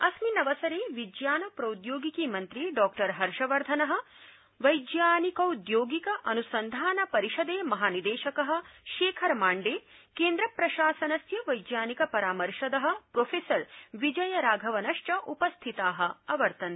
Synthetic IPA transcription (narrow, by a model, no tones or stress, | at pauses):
ɐsminɐʋɐsɐɾeːʋid͡ʒjaːnɐpɾɐwud̪joːɡikiːmɐnt̪ɾiɖɔːkʈɐɾɦɐɾʂɐʋɐɾd̪ʱɐnɐɦɐ̆ | ʋɐjd͡ʒ̪jaːnikɐwd̪joːɡikɐʔɐnusɐnd̪ʱaːnɐpɐɾiʃɐd̪eːmɐɦaːnid̪eːʃɐkɐɦɐ̆ʃeːkʰɐɾmaːɳɖeːkeːnd̪ɾɐpɾɐʃaːsɐnɐsjɐʋɐjd̪jaːnikɐpɐɾaːmɐɾʃɐd̪ɐɦɐ̆pɾoːfʰeːsɐɾʋid͡ʒɐjɐɾaːɡʱɐʋɐnɐʂʈɐʔupɐst̪ʰit̪aːɦɐ̆ɐʋɐɾt̪ɐni